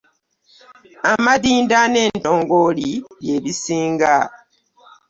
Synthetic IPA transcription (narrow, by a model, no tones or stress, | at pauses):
amadiːndane̞ːnto̞ːŋɡolije̞βisiːŋɡa